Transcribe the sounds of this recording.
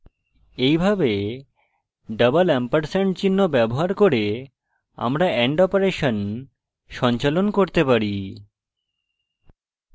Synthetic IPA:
ejbʱabe | ɖəbalɛmpaɾseɳt͡ɕinːobɛboɦaɾkoɾe | a̰mɾaɛɳɖɔpoɾeʃon | ʃɔnt͡ɕalonkoɾt̪epaɾi

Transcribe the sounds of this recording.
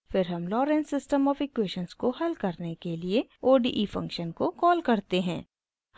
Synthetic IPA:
fɪɾɦɐmlɔːɾɛ̃ːnsɪsʈəmɔːfɪkweːʃənskohɐlkɐɾnekelieoːɖḭːʔifɐ̰̃ŋkʃənkokɔːlkɐɾt̪eɦɛ̃ː | h

